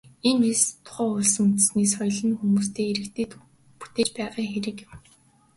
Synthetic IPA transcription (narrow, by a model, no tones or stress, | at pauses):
enest̪ʰʊ̥χæːɔɮsə̆ŋɵt̪̆sniːsɔjɮə̆nxumuːst̪ʰeːeɾɘ̆kt̪ʰeːt̪ | pu̥t̪eːt͡ɕpæːʁaːxeɾɘ̆kjɪ̆m